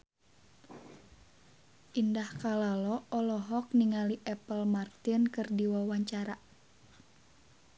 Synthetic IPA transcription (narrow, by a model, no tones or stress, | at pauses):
ʔindahkalalɔɔlɔɦɔk̚niŋaliʔɛpəlmart̪inkɨrdiwawaɲt͡ʃaɾa